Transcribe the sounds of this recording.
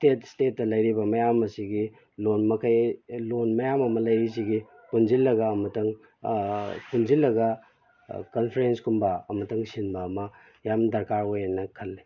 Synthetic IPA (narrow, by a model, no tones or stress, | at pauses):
stetstet̚ːɐlɐjɾibɐmɐjamɐsiɡi | lonmɐkɐjlonmɐjamɐmɐlɐjis̬iɡi | kunzilːɐɡɐːmɐtɐŋ | kʰunzilːɐɡɐ | kɐnpʰeɾenskumbɐɐmɐtɐŋsinbɐːmɐ | jamdɐɾkaɾojenːɐkʰɐlːi